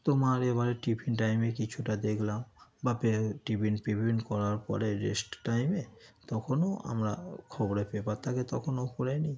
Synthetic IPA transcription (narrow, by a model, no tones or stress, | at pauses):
t̪omaɾebaɾeʈipʰinʈajmekit͡ɕʰuʈad̪ekʰlambapeʈipinpipinkɔɾaɾpɔ̰ɾeɾḛsʈʈajmet̪ɔkʰonoa̰mɾakʰɔboɾepepaɾt̪ʰaket̪ɔkʰonokoɾani